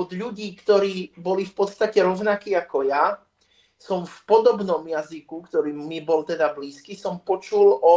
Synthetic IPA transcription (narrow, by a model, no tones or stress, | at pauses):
ɔd̪ʎuɟiːkt̪ɔɾiːbɔlifpɔt̪st̪acɛɾɔʊnakiːakɔja | sɔmfpɔd̪ɔbnɔmjazikukt̪ɔɾiːmibɔlt̪ɛd̪abliːskisɔmpɔt͡ʃulʔɔ